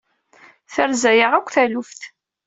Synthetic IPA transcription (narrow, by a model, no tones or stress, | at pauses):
θəɾzæjəʁækʷːθælufθ